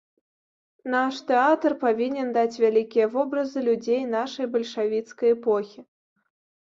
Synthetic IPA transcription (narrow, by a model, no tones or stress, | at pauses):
naʂt̪ɛat̪ɐrpavʲinʲɛnd̪at͡sʲvʲalʲikʲijɐvɔbɾɐzɨlʲud͡zʲejnaʂɐjbɐlʲʂavʲit̪skɐjɛpɔxʲi